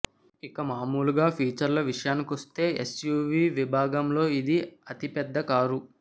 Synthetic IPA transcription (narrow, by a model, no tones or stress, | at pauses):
ikɐmaːmuːluɡaːpʰiːt͡ʃɐɾlɐʋiʂɐjaːnikiʋost̪e̞ːesjuːʋiːʋibʱaːɡɐmlo̞ːid̪iɐt̪ipɛd̪ːɐkaːɾu